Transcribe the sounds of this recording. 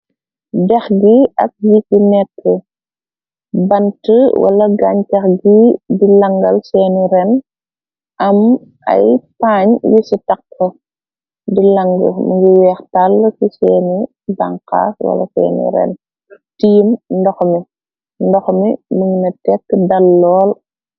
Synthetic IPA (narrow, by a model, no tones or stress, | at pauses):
dɛxɡiɐ̰k̚jikinɛkʰːə | bɐntəwʔɐ̰lɐɡaːɲkɐxɡidilɐŋɡɐlsɛːniɾɛn | ʔɐm | ʔɐ̰jpaːɲjisitɐk̚kɔ | dilɐŋɡə̰muŋɡiwɛːxtalːsisɛːni | ba̰ŋka̰ːswɐ̰lɐ̰sɛ̰ːnḭɾɛ̰n | tiːmndɔxmi | ndɔxmimiŋinɐtɛkːdɐlːɔːl